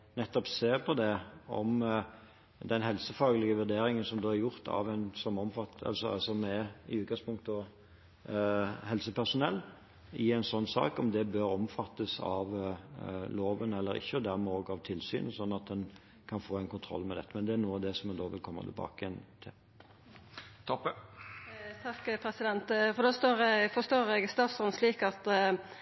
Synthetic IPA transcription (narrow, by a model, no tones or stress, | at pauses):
nɛt̪ːɔpseːʁpʰɔd̪ɛɔ̰m | d̪ɛnhɛlsəfɑːɡəlɪɡəʋʉʁd̪eːɾɪŋənsɔmd̪oːæɾjʊʁt̪ʰɑ̰ʋænsɔmɔmfɑt̪ɑ̰lsɔsɔmɛɪʉːt̪̚ɡɑspʰʊŋk̚t̪ɔ | ɦɛlsəpʰæʁʂʊnɛlː | ɪæɪnsɔnːsɑ̰ːkɔmd̪ɛbøːɾɔmfɑt̪ːəsɑ̰ʋ | loːʋənɛlːəɾɪ̰çːəd̪æɾmɛoːɡɑʋt̪ʰɪlsy̰ːnəsɔnːɑt̪̚d̪ɛn | kʰɑnfoːæɛnkʊnt̪ʰɾɔ̰lːmɛd̪ɛt̪ːəmɛnd̪ɛæɾnuːəɑd̪ɛsɔmɛd̪oːʋɪlkʰɔmːə̰t̪ʰɪlbɑ̰ːkɪɛnt̪ʰɪl | t̪ʰɔpːə | t̪ʰɑkːpʰɾɛsɪd̪ɛnt̪fɔd̪ost̪oːɾɛfɔst̪oːɾɛɡst̪ɑːt̪sɔnsliːkɑt̪